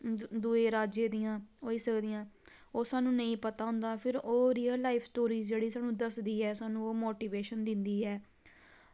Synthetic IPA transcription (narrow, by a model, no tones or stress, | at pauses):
d̪uːeːɾaːd͡ʒeːd̪ijãːɦoːiːsəkd̪ɪjãː | oːsaːnũːnəĩːpət̪aːʊ̃nd̪aːpʰɪɾoːɾiːəlːaːiːpʰsʈoːɾiːzd͡ʒeːɽiːsaːnũːd̪əsd̪iːɛːsaːnũːoːmoːʈiːʋeːʃənd̪ɪnd̪iːɛː